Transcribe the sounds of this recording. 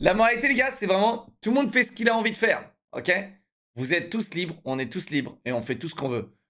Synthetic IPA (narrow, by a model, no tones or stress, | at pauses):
lamɔʁalit̪eleɡasɛvʁɛmɑ̃t̪ulmɔ̃d̪fɛsə̥kʲilaɑ̃vid̪əfɛːʁ | ɔ̰kʲe | vuzɛt̪ːuslibʁɔ̃nɛt̪uslibʁeɔ̃fɛt̪usə̥kɔ̃vø